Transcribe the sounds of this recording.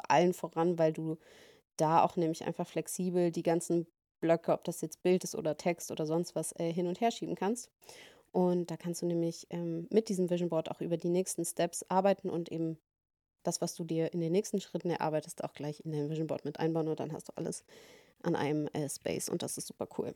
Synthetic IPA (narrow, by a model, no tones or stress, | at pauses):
ʔa̰lənfoːʁanvaɪlduː | d̥aːa̰ʊxnɛːmlɪçʔa̰ɪnfaχflɛksiːbl̩diːɡant͡sn̩ | b̥lœkʰəɔ̰p̚d̥asjɛt͡st̚b̥ɪltɪstʔo̰ːdɐtʰɛkstʔo̰ːdɐzɔnstv̥asɛːɦɪnʊntheːɐʃiːbm̩kʰanst | ʔʊntd̥aːkʰanstd̥uːnɛːmlɪçʔɛːmːɪt̚d̥iːzəmvɪʒn̩bɔɐta̰ʊxʔyːbɐdiːnɛːçstn̩stɛpsʔaɐbaɪtn̩ʔʊ̰ntʔeːbm̩ | d̥asv̥asd̥uːdiːɐʔɪndeːnːɛːçstn̩ʃʁ̥ɪtn̩ɛɐʔa̰ɐbaɪtəsta̰ʊxɡ̥laɪçɪndaɪnəmvɪʒn̩bɔ̰ɐtmɪtʔa̰ɪnbaʊnʊnt̚d̥a̰nhastd̥ṵːʔa̰lə̰s | ʔa̰nʔa̰ɪnəmʔɛːspɛ̰ɪsʊ̰nt̚d̥a̰sɪstz̥uːpɐkʰṵːl